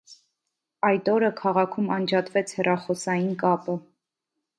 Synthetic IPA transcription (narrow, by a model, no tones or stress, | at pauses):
ɑjt̪ɔɾəkʰɑʁɑkʰumɑnd͡ʒɑt̪vɛt͡sʰhɛrɑχɔsɑjinkɑpə